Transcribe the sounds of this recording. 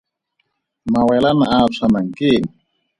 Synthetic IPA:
mawɛlanaat͡sʰanaŋ̩keːŋ̩

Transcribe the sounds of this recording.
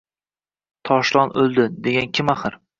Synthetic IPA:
t̪ʰɒʃlˠɒnʔɵlˠd̪ɪd̪e̞ɡʲankʲʰɪmaχɨɾ

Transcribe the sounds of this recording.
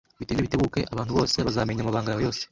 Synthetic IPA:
βitiːndiβiteɡuːke̞̰ʔaβaːn̥huβo̞ːse̞βazaːme̞ɲamaβaːŋɡajawejo̞ːse̥

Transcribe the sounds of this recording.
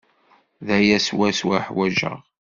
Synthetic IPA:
ðæjæswæswæħwæʒə̰ʁ

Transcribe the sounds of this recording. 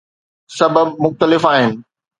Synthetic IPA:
sɐbəbmʊxt̪əlɪfaːɦɪnɪ̆

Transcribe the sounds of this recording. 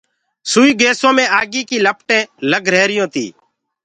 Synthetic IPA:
suːiːɡeːsõːmẽːaːɡiːkiːləpʈẽːləɡʱɾeːɾɪjõːt̪ḭː

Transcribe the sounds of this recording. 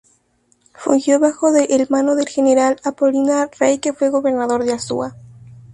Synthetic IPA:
fṵŋxjo̞βaxo̞ðeʔelmanoðe̞lxeneɾalapo̞linarejke̞fwe̞ɣo̞βe̞ɾnaðo̞ɾðeasṵa

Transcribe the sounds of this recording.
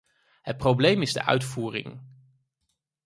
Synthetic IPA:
ɦət̚prowblejmɪzdə̰ʔœ̰ɥtfuːrɪ̰ŋ

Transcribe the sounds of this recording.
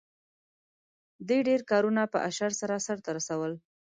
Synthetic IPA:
d̪ujɖeɾkɑɾunapə̰ʔaʃaɾsaɾasaɾt̪aɾasawəl

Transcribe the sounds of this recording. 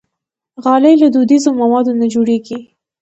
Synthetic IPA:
ɣɑləjlad̪ud̪izomawɑd̪onad͡ʒoɽeɡi

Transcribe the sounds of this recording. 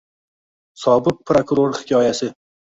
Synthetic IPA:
sɒbɨq̚pʰɾokʊɾoɾhɪ̥kʲʰɒjasɪ

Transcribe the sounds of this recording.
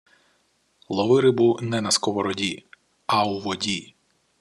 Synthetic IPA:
lˠɔʋɪɾɪbunɛnɐskɔʋɔɾɔdʲi | auʋɔdʲi

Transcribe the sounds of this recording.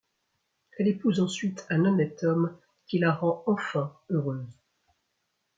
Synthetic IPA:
ɛlepuzɑ̃sɥit̪ɛ̃nɔnɛt̪ɔm | kʲilaʁɑ̃ɑ̃fɛ̃øʁøːz

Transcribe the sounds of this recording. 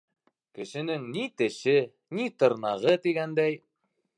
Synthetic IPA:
kɘ̆ʃɘ̆nɘŋnit̪ɘ̆ʃɘ | nit̪ɤ̆ɾnɑʁɤt̪iɡænd̪æj

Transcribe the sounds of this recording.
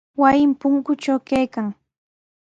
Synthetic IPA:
wajɪmpʊŋkʊt͡ʃawkajkaŋ

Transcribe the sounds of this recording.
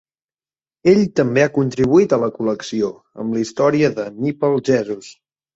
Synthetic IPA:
eʎt̪əmbeakunt̪ɾiβuit̪ələkuləksio | ə̰mlist̪ɔɾiəðənipəlˠʒɛzus

